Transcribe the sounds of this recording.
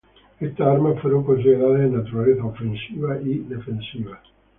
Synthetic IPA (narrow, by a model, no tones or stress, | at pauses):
kest̪eaɾmafəɾowkons̬id̪eɾaːt̪einːat̪uɾalet̪aofːensiːvaʔid̪efensiːva